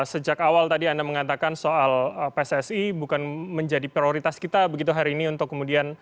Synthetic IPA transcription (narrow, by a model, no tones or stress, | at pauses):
səd͡ʒakawalt̪adiandaməŋat̪akansoaləpesɛsibukanməɲd͡ʒadipɾioɾit̪askit̪abəɡit̪uɦaɾiːniunt̪ʊkːəmudian